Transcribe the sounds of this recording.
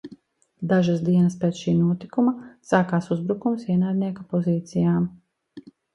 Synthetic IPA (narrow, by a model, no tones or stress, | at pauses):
d̪aʒasd̪iɛnɐspɾeːt̪sʃiːnuɔt̪ikumasaːkaːsuzbɾukumsviɛnaːd̪ʲnʲiɛkapɔziːt̪sijaːm